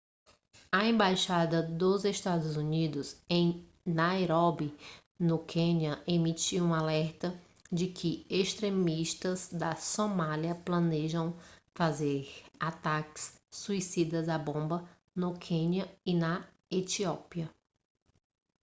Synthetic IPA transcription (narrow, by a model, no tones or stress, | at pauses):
ɐẽmbajʃad̪ɐd̪ʊzeʃt̪ad̪ʊzunid̪ʊzẽj̃ | naeɾɔbi | nʊkʰẽniɐʔemit͡ʃiũalɛɾt̪ɐ | d͡ʒɪkʰɪeʃt̪ɾemiʃt̪ɐzd̪ɐsomaljɐplɐ̃neʒɐ̃w̃fazeɾat̪akɪ̥sːuisid̪ɐzabõmbɐ | nʊkʰẽnɐɪnɐ | et͡ʃiɔpiɐ